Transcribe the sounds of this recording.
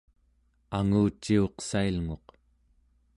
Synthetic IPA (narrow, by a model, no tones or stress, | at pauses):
aŋuːt͡ʃːio̞qsailŋo̞q